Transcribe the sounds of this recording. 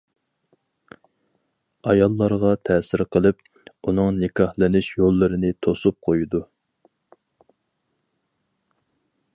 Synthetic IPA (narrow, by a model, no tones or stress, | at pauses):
ɑjɑlˠːɑɾʁɑt̪ʰɛːsɪɾqʰəlˠɪp | unɨŋnɪkʰɑhlˠɨnɪʃjolˠːɨɾɨnɪt̪ʰosup̚qʰojud̪u